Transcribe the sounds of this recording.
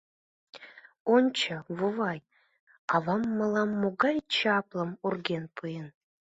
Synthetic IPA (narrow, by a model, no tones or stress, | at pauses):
ont͡ɕʰəvuvɑj | ɑvɑmːɤlˠɑmːoɡɑjt͡ɕʰɑplˠəmurɡʲenpʰɯjən